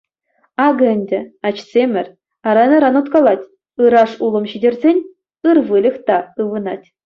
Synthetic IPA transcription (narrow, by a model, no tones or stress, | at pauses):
ɑɡɘ̆nʲdʲɘ̆ɑt͡ɕsʲemʲɘ̆rʲ | ɑɾɑnʲɤɾɑnut̪kɑlˠɑtʲ | ɯɾɑʂulˠɤ̆mɕidʲerʲzʲenʲ | ɯrʋɯlʲɘ̆xt̪ɑɯʋɯnɑtʲ